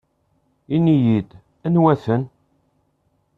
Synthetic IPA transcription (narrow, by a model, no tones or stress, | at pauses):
inijid̪ | ænwæθən